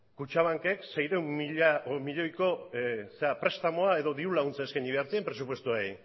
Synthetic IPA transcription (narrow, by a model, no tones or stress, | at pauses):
kut͡ʃaβ̞aŋke̞kse̞jɾewmiʎamiʎo̞jko̞seapɾe̞st̪amoae̞ðo̞ðiulaɣunt͡saeskaɲiβ̞e̞aɾt͡s̪iempɾe̞supwe̞st̪uaj